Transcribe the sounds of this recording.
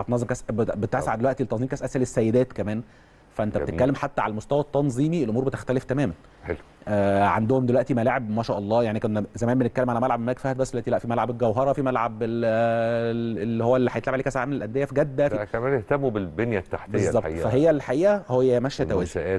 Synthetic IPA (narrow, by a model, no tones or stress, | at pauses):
æbt̪nɑzˤemkæsbbet̪sʕd̪elwæʔt̪ilet̪ːɑnziːmkæːsʔæsʔælesːæjːed̪æːt̪kæmæːn | fæʔenbt̪etkːælːemħat̪ːæʕalæmost̪æwæt̪ːɑnzˤiːmielʔomuːɾbet̪e̥xt̪æleft̪æmæːmæn | ħel | ʔæʕa̰nd̪ohomd̪elwæʔt̪imælaʕebmæːʃæːʔɑlˤːɑːjaʕnikonzæmæːnbenet̪kælːemʕalæmælʕabmækfæhæt̪bæsːelːwæt̪ilæʔfimælʕabelɡæwɦɑɾˤɑfimælʕabel | elːihowːælːiħajet̪lʕabʕlekæːsʕaːmelelʔænd̪ejːæfiɡæd̪ːækæmæːneht̪æmːubelbenjæt̪ːaħtb̪eezːɑb̪ːfæɦejːælħaʔiːʔæhojːæmæʃæt̪æwæːzʔæː